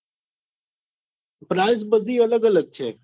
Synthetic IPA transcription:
pɾaːɪzbəd̪ʱiːələɡələɡ̚t͡ʃʰeː

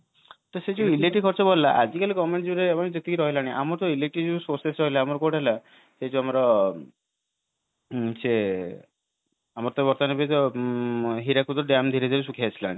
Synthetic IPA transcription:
t̪ɔsed͡ʒuileʈikʰɔɾt͡ʃɔbɔllaʔad͡ʒikalikɔmeɳʈd͡ʒuɾeamid͡ʒet̪ikiɾɔɦilaːɽ̃iʔamɔɾɔt̪ɔileʈid͡ʒusoɾsesɾɔɦilaːmɔɾɔkoʈela | sed͡ʒuamɔɾɔ | se | amɔɾt̪ɔbɔɾt̪anebet̪ɔ | ɦiɾakut̪ɾɔɖamd̪ʱiɾed̪ʱiɾes̬ukʰiat͡ʃʰila̰ːɽ̃i

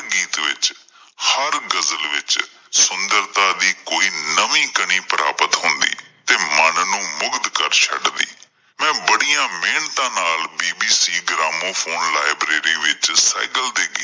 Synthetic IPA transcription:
ɡiːt̪ʋɪ̰t͡ʃ | həɾɡəzəlʋɪt͡ʃ | sʊnd̪əɾt̪ãːd̪iːkoːiːnəʋĩːkəɳ̃iːpəɾa̰ːpət̪ɦʊ̃nd̪ḭːt̪eːmənnũːmʊɡd̪kəɾt͡ʃʰə̰ɖd̪ḭː | mɛ̃ːbəɽijãːmeːɳt̪ãːnaːlbiːbiːsiːɡɾaːmõːpʰoːnlaːɪbɾeːɾiːʋɪt͡ʃsa̰ːkəld̪eːɡiː

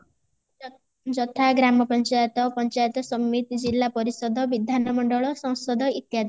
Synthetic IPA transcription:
d͡ʒɔt̪ʰaɡɾamɔpɔnt͡ʃajɔt̪ɔpɔnt͡ʃajɔt̪ɔsɔmːit̪d͡ʒilːapɔɾisɔd̪ʱɔbid̪ʱanɔmɔɳɖɔɭɔsɔ̃w̃sɔd̪ʱɔit̪jad̪

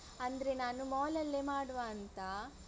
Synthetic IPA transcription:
ɐnd̪ɐɾenaːnumɔːlɐlːemaːɽʋaːnt̪ɐ

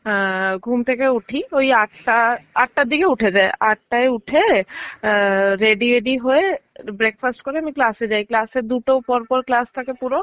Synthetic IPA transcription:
ɦɡʱuːmt̪ekeʊʈʰioɦiaʈʰʈaaːʈ̚ʰʈad̪ikeʊʈʰed͡ʒaeʔaːʈ̚ʈaeʊʈʰe | ɾeːɖiʋeɖiɦoebɾek̚fʰasʈkɔɾemiklaːsed͡ʒaːeklaːsed̪uʈopɔɾpɔɾklaːst̪akepuɾo

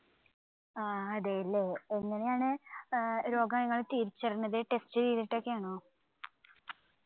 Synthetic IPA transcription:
aːɐðeɐlːeeŋːɐne̞jaːɳɨ | ɾo̞ːɡɐnɐŋːɐɭt̪iːɾit͡ɕːɐrinːɐðɨʈe̞stɨtejðiʈːo̞kːeaːɳoː

